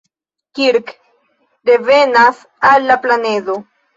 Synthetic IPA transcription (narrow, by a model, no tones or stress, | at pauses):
kiɾk | d̪evenas | alːaplaned̪o